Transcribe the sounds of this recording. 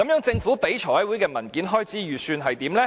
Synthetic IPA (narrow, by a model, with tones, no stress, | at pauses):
kɐ˨˥mjœː˨˥ŋt͡sɪ˧ŋfuː˨˥pe˨˥jt͡ʃʰɔː˨˩ɐ˨˥jwuː˨˥jkɛː˧mɐ˨˩nkiː˨˥nɦɔː˥jt͡siː˨˥jyː˨syː˧nɦɐ˨jt̪iː˨˥mlɛː˥